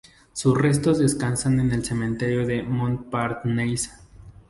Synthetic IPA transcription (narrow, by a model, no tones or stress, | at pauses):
susre̞s̬t̪o̞zðe̞skansane̞ne̞lse̞mẽnt̪e̞ɾjo̞ðe̞mõnt̪paɾt̪nejsḁ